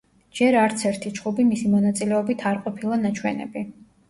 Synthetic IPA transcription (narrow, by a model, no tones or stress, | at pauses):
d͡ʒɛɾaɾt̪sʰɛɾt̪ʰit͡ʃχubimisimɔnat̪sʼilɛɔbit̪ʰaɾqʼɔpʰilˠanat͡ʃʰwɛnɛ̰bi